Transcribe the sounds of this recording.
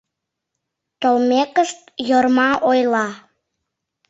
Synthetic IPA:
t̪olmekəʃt̪̚jərmɑʔojlɑ

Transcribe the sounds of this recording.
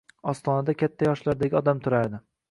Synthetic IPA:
ɒst̪ʰɒnad̪akʲʰat̪ʰːajɒʃlaɾd̪aɡʲɒd̪amt̪ʰʊɾaɾd̪ɪ

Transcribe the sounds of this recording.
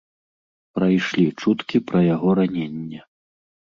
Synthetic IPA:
pɾajʂlʲit͡ʂut̪kʲipɾɐjaɣɔɾanʲenʲːɛ

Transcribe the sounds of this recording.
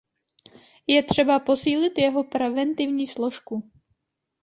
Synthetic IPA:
jɛt̪r̝̥ɛbapo̞siːlɪt̪jɛɦo̞pɾɛvɛnt̪ɪvɲiːslo̞ʃku

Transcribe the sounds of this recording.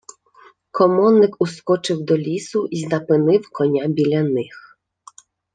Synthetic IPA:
kɔmɔnːɪkʊskɔt͡ʃɪwd̪ɔlʲisʊʔiznɐpɪnɪwkɔnʲabʲilʲɐnɪx

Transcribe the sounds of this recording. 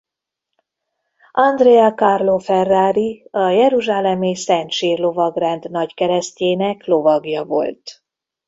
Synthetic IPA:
ʔɒnd̪reɛkɒrlofɛrːaːɾiɒjɛɾuʒaːlɛmisɛnt̪ʃiːrlo̞vɒɡrɛnd̪nɒckɛɾɛsceːnɛklo̞vɒɡjɒvo̞̰lt̪

